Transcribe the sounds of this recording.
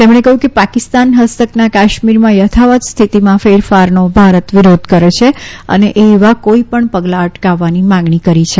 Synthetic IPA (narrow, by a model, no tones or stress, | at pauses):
t̪emɳekəɦjũkepakɪst̪anɦəst̪əknakaʃmiɾmãjət̪ʰaʋət̪st̪ʰit̪imãfeɾfaɾnobʱaɾət̪ʋiɾod̪ʱkəɾet͡ʃʰeə̰neʔeːʋakoipəɳpəɡlaəʈkaʋːanimãŋɡɳikəɾit͡ʃʰe